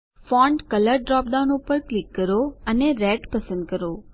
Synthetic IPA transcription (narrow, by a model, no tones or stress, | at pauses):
fɔ̃ɳɖkələɾɖɾɔp̚d̪anupəɾklikːəɾoəneɾɛʈpəsənd̪̚kəɾo